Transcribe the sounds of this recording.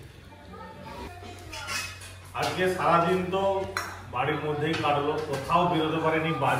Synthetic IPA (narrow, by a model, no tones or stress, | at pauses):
ad͡ʒkesaɾad̪int̪ɔbaɽiɾmod̪ʱːejkaɽɔlopɾot̪ʰaobiɾot̪epaɾenijba